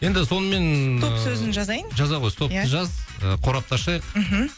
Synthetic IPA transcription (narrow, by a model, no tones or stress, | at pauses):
je̞nd̪ɪso̞nəme̞nʰossɵzɪnʒɑzɑjʒɑzɑʁo̞jt̪ʰo̞p̚t̪əʒɑzəqʰo̞ɾɑp̚t̪ʰɑʃɑjqm̩ɦm̩